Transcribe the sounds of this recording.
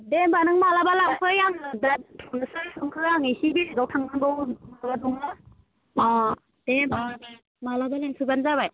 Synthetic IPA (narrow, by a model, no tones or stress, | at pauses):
debanɯŋmalabalawkʰɯjaŋɯdatʰɔnɯsɯjpʰɯŋkʰɯaŋijsibiɾɯzawtʰaŋmanbɯwmaɡadɔŋa | ɔ | d̥emalaba | malabaleŋkʰɯbanzaβaj